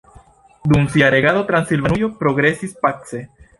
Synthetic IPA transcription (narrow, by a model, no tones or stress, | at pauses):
d̪umsiaɾe̞ɡaðo̞t̪ɾansilvanujopɾo̞ɡɾe̞sispat͡se